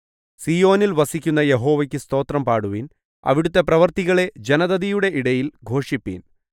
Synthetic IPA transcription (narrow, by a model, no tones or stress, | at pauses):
sijo̞ːnilʋɐsikʲːunːɐje̞ɦo̞ːʋɐk̬ʲːɨst̪o̞ːt̪rɐmpaːɽuʋin | ɐ̰ʋiɽut̪ːe̞prɐʋɐrt̪iɣɐɭe̞d͡ʑenɐðɐðijuɽe̞ʔiɽɐjilɡʱo̞ːʂipːḭːn